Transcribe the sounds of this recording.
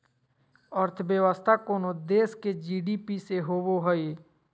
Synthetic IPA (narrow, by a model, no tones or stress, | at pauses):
əɾt̪ʰəbjəʋəst̪ʰakoːnod̪eːsked͡ʒiːɖipiseɦooɦəe